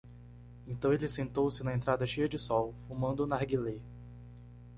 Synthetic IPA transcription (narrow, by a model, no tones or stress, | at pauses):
ẽt̪ɐ̃w̃elɪsẽnt̪owsɪnɐẽnt̪ɾad̪ɐʃejɐd͡ʒɪsɔwfumɐ̃nd̪ʊnaɾɡile